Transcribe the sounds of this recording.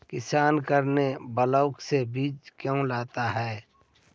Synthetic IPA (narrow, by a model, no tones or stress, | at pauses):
kɪsaːnkəɾnebələʊksebiːd͡ʒkjõlaːt̪aɦɛː